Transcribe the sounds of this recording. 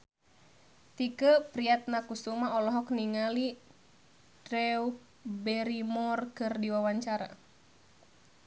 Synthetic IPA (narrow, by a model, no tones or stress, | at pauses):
t̪ikəpɾiat̪̚nakusumaɔlɔɦɔk̚niŋali | ɾɛu | bɛɾimɔrkɨrdiwawaɲt͡ʃaɾa̰